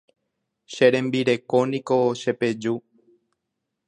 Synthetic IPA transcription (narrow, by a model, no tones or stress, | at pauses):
ʃeɾẽ̞mbiɾe̞ko̞nĩko̞ʃe̞pe̞d͡ʒu